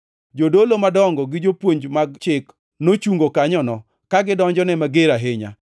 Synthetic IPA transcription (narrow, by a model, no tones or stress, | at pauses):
d͡ʒodolomadɔŋɡɔɡɪd͡ʒopwoɲd͡ʒmaɡt͡ʃɪk | not͡ʃuŋɡokaɲɔnɔ | kaɡɪdɔɲd͡ʒɔnɛmaɡɪɾaɦɪɲa̰